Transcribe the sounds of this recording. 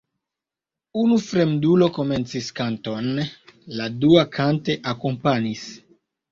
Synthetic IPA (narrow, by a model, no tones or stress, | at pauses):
unufɾe̞mdulo̞ko̞me̞nt͡siskanto̞nladuakʰante̞ʔako̞mpanis